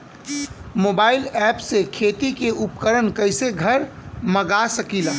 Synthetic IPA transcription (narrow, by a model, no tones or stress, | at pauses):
moːbaːɪlɛːpsekʰeːt̪ikeʔʊpkəɾənkəɪseɡʱəɾ | məɡasəkilaː